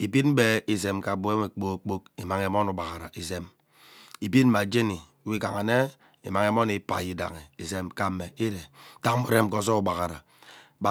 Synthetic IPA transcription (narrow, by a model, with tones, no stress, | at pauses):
i˨bi˦m̩˦be˦i˨ze˨mka˨bo˨˦e˦me˨k͡po˦k͡po˦ki˨ma˨ŋe˨mɔ˦nu˨ba˨ɣa˨ɾa̰˨i˨ze˦m | i˨bi˦m̩˦ma˨d͡ʒe˦ni˨wi˦ka˨ŋa˨ne˦ | i˨ma˨ŋe˨mɔ˦ni˨pa̰˨ji˦da̰˨ŋe˨i˨ze˦mka˨˦me˨i˦ɾe˨˦ta˦ŋ˦mu˨ɾe˦m˨ko˨˦s̬ɔ˦u˨ba˨ɣa˨ɾa̰˨ | ba˨